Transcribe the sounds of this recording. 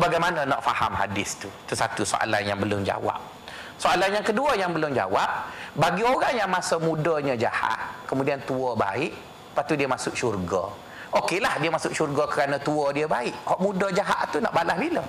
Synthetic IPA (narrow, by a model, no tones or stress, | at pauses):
baɡajmanənɔʔfahamɦa̰dɪst̪ut̪əsat̪uso̰ʔa̰lanjaŋbəlʊmd͡ʒa̰wa̰p̚ | soʔalanjaŋkəduəjaŋbəlʊmd͡ʒa̰wap̚baɡioɾaŋjaŋmasəmudəɲə̃d͡ʒa̰ha̰ʔ̪̚kəmudiant̪uɔba̰ɪʔ | pat̪udiəmasʊk̚ʃurɡə̰ | ʔokelahdiəmasʊkʃurɡəkəɾanət̪uədiəbaɪʔhɔʔmudəd͡ʒaɦa̰ʔt̪unɔ̰ʔbalahbilə